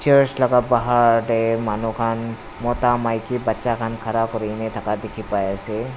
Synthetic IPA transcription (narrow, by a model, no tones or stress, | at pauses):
t͡ʃəɾslaɡabaɦaɾemanukʰan | mɔt̪amajkibatːʃakʰankʰaɾakɔɾinet̪ʰakad̪ekʰipajase